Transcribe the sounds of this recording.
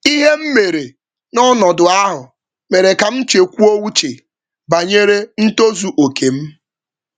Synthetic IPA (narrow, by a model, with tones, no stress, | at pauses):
i˦ɦe˦m̩˦me˨ɾe˨ | nɔ˦nɔ˨dʊ˨a˦ɦʊ˨ | me˨ɾe˨ka˨m̩˦t͡ʃe˨kʷu˦o˦wu˦t͡ʃe˨ | ba˨ɲe˦ɾe˦n̩˦to˦zu˨ʔo˨kʰe˨m̩˦